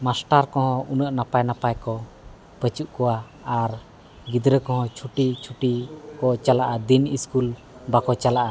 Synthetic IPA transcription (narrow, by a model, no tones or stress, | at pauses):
masʈaɾkɔɦɔ̃unəʔnapajnapajkɔ | pət͡ʃuʔkɔwa | aɾ | ɡid̪ɾəkɔ̃ɦɔ̃t͡ʃʰuʈit͡ʃʰuʈikɔt͡ʃalaʔad̪iniskul | bakɔt͡ʃalaʔa